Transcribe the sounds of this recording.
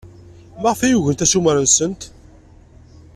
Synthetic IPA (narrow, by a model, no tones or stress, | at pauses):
məʁfæjuʝənt̪æsuməɾənsənt̪